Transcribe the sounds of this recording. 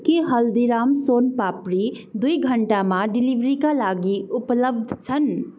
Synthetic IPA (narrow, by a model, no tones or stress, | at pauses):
kiɦəld̪iɾaːmsoːnpapɾi | d̪uiɡʱəɳʈamãɖiliʋɾikalaɡiʊpləbd̪ʱt͡ʃʰən